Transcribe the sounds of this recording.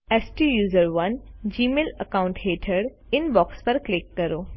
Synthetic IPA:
esʈijuːzəɾʋɐnd͡ʒiːmeːləkaːʊ̃ɳʈɦeːʈʰəɽ | ɪnbɔːkspɐɾklɪkːɐɾoː

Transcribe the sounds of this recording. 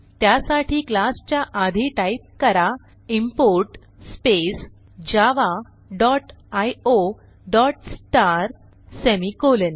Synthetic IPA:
t̪jasaʈʰiːklast͡ɕjaʔad̪ʱiʈaip̚kəɾa | impoɾʈ | spes | d͡ʑaʋa | ɖɔʈajo | ɖɔʈsʈaɾ | semikolən

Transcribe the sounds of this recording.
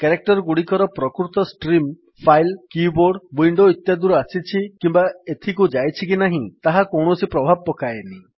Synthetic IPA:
keɾek̚ʈɔɾɡuɽikɔɾɔpɾɔkɾut̪ɔsʈɾim | pʰajlkiboɾɖwiɳɖoit̪jad̪uɾɔasit͡ʃʰikimbaet̪ʰikud͡ʒajt͡ʃʰikinaɦĩt̪aɦakɔwɳ̃ɔsipɾɔbʱab̚pɔkajeni

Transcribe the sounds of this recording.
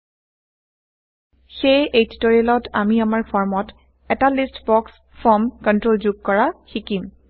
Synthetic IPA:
xejejti̥toɹialɔtʰa̰miamaɹpʰɔɹmɔt | ɛtalistbɔks | fʰɔmkɔntɹolzuɡ̚kɔɹaxikim

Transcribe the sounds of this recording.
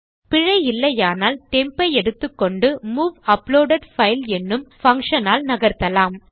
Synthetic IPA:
pɪɻɐɪjɪlːɐjaːnaːlt̪ɛmpɐɪɛɽɯt̪ːɯkːɔɳɖɯmuːʋɐploːɖɐɖfɐɪlɛnːɯmfɐŋkʂɐnaːlnɐɣɐɾt̪ɐlaːm

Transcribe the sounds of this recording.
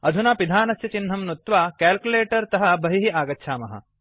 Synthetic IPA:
ɐd̪ʱunaːpid̪ʱaːnɐsjɐt͡ʃinɦɐmnut̪ʋaːkaːlkuleːʈɐɾt̪ɐɦɐbɐɦiɦiaːɡɐtːʃʰaːmɐɦɐ̰

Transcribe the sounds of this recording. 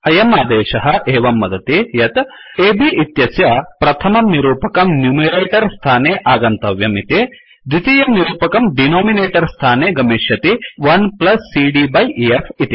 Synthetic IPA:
ɐjɐmaːd̪eːʃɐɦɐ̆ʔeːʋɐmːɐd̪ɐt̪ijɐt̪ | eːbiʔit̪jɐsjɐpɾɐt̪ʰɐmɐmniɾuːpɐkɐmnjuːmɐɾeːʈɐɾst̪ʰaːneːʔaːɡɐnt̪ɐʋjɐmit̪e | d̪it̪ijɐmniɾuːpɐkɐmɖinoːmineːʈɐɾst̪ʰaːneːɡɐmeːʃjɐt̪iʋɐnplɐsːiɖiːbɐjʔiefʰit̪i

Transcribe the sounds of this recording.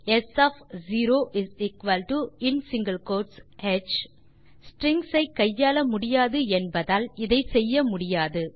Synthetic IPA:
ɛsafziːɾoːʔɪzɪkʋɐlʈuɪnsɪŋɡɐlkoːʈsɛt͡ʃ | sʈɾɪŋsɐɪkɐjːaːlɐmʊɽɪjaːðɯɛnbɐðaːlɪðɐɪsɛjːɐmʊɽɪjaːðɯ

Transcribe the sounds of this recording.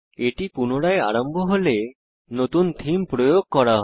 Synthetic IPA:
eʈipunoɽaea̰ɾombʱoɦole | not̪und̪ʱimpɾojoɡ̚kɔɾaɦ

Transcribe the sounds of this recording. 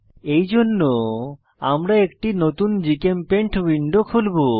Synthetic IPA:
ejd͡ʑonːo | amɾaekʈinot̪und͡ʑikempeɳʈʰwiɳɖokʰulbo

